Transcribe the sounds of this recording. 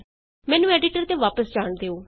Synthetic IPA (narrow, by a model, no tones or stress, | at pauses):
mɛ̃ːnũːɛːɖɪʈəɾt̪eːʋaːpəsd͡ʒaːɳd̪eːoː